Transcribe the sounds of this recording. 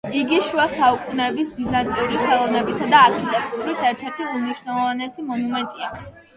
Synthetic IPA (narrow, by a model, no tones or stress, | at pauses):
iɡiʃuasaukʼunɛːbisbizant̪ʼiuɾiχɛlˠɔvnɛbisad̪aːɾkʰit̪ʼɛk̚t̪ʼuɾisɛɾt̪ʰɛɾt̪ʰiumniʃwnɛlˠɔvanɛsimɔnumɛnt̪ʼia